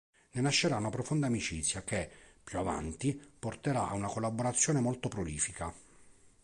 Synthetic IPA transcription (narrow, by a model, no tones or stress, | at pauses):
nenaʃːeɾaunapɾofond̪aːmit͡ʃit̪sːjakepːjuava̰nt̪iport̪eɾaa̰unakolːaboɾat̪sːjoːnemɔlt̪opɾoliːfika